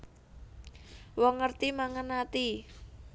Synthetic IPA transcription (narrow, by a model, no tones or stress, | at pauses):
wɔŋːərt̪imaŋənat̪i